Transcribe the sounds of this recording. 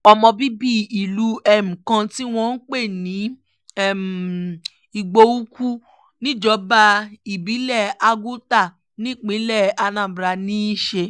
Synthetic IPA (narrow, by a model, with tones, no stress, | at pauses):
ɔ˧mɔ̃˧bi˦bi˦˨i˨lu˨˦ɛ˦m̩̃˨kã˧ti˦w̃ɔ̃˧n̩˦k͡pe˦˨nĩ˨˦ | ɛ˦˨m˨ | i˧ɡ͡bo˧u˦ku˦ | nĩ˦d͡ʒɔ˨˦ba˧i˨bi˨˦lɛ˦˨a˧ɡu˦ta˦˨ | nĩ˦˨k͡pĩ˨˦lɛ˦˨a˧nã˨bɾa˧nĩ˦i˦˨ʃe˧